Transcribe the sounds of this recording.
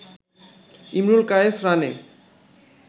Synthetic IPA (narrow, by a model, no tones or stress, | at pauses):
imɾulkaesɾanḛ